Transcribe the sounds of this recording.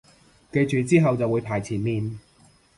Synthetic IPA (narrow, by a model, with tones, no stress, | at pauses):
ke˧jt͡ʃyː˨t͡siː˥ɦɐ˨wt͡sɐ˨wuː˨˧jpʰaː˨jt͡sʰiː˨˩nmiː˨˧n